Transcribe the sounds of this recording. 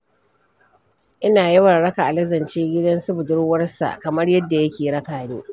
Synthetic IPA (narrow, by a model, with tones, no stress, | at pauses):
ʔɪ˦naː˨ji˦wɐ˨ɽɽɐ˦ka˨ʔa˨lɐ˦zɐ˨nt͡ʃeː˦ɡʲɪ˦dɐ˦nsʊ˦bʊ˨dʊ˦ɽwɐ˦rsa̰˨ʔkɐ˨mɐ˦rjɐ˦dːa˨jɐ˦kʲeː˨ɽɐ˦kaː˨niː˦